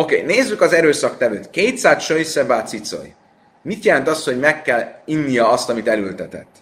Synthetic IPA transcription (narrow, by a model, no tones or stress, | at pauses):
o̞kḛːneːzːykɒzɛɾøːsɒkt̪ɛvøːt̪keːjt̪saːt̪ʃøjsɛbaːt̪sit̪so̰j | mit̪jɛlɛnt̪ɒst̪ho̞ɟmɛkːɛlinːijɒɒst̪ɒmit̪ɛlylt̪ɛt̪ɛ̰t̪ː